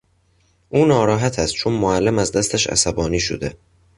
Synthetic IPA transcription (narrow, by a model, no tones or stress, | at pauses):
ʔuːnɒːɾɒːɦæt̪ʰæst̪̚t͡ʃʰonmoælːemæzd̪æst̪ʰæʃæ̰sæbɒːniːʃo̰d̪e̞